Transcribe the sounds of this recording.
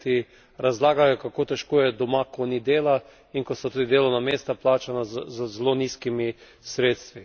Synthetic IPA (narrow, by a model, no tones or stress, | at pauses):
t̪i | ɾazlaːɡajɔkakoːt̪ɛʃkoːjɛd̪ɔmakonid̪eːla | iŋkɔsɔt̪uːd̪id̪eːlɔnameːst̪aplaːt͡ʃanazzzɛloniːskimi | sɾeːt̪st̪ʋi